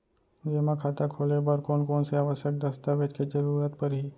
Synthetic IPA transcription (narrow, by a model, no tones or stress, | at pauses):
d͡ʒemãkʰat̪akʰolebəɾkoːnkoːnseaːʋəʃjək̚d̪əst̪aʋed͡ʒked͡ʒəɾuːɾət̪̚pəɾɦi